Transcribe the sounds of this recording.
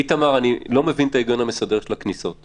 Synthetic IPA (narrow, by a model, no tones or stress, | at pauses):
it̪amaʁanilo̞me̞vint̪aiɡonhamesode̞ʁʃelakniso̞t̪